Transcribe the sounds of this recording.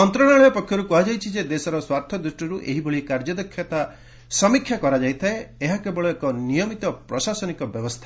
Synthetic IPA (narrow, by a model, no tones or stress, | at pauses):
ɔnt̪ɾɔɽ̃aɭɔɔpɔkʰːjɔɾukɔɦad͡ʒajt͡ʃʰid͡ʒed̪esɔɾɔswaɾt̪ʰɔd̪ɾuʃʈɔɾuʔeɦiboɭikaɾd͡ʒɔd̪ɔkʰːjɔt̪a | sɔmikʰːjakɔɾad͡ʒajt̪ʰaeeɦakebɔɭɔekɔnijɔmit̪ɔpɾɔsasɔnikɔbjɔbɔst̪ʰḁ